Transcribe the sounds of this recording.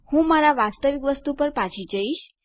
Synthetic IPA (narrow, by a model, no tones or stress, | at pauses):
hũmaɾaʋast̪əʋikʋəst̪upəɾpat͡ʃʰid͡ʒəiʃ